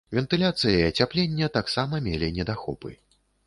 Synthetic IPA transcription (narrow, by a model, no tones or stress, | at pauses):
vʲɛnt̪ɨlʲat̪sɨjɐiɐt͡sʲaplʲenʲːɐt̪aksamɐmʲelʲinʲɛd̪axɔ̰pɨ̰